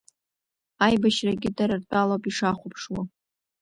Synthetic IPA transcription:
ajbaʃraɡʲɪdaɾartʼalapʼiʂaχʷʊpʰʂwa

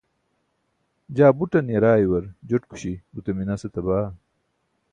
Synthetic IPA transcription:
d͡ʑaːbuʈɐnjɐɾaːjwɐɾd͡ʑoʈku̥ɕibut̪eminɐset̪ɐbaː

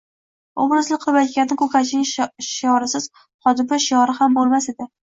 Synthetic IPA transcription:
obɾʊzlɪk̚qʰɨbat̪kʲannɪkʰɵkʰaɪŋʃjɒɾɪsɪz̥ | χɒd̪ɪpɪʃɪjɒɾɪhambolˠmased̪ɪ

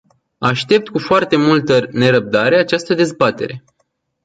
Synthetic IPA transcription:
aʃt̪e̞p̚t̪kufoart̪e̞mult̪əne̞ɾəb̚d̪aɾeat͡ʃast̪əd̪e̞zbat̪e̞̰ɾe̞

